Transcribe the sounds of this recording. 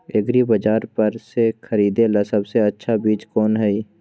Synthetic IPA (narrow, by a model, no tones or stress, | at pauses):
ɪɡɾibɐd͡ʒaːɾpɐɾsekʰɐɾiːd̪elasɐbseɐtːʃʰabiːt͡ʃkɔːnɦɛi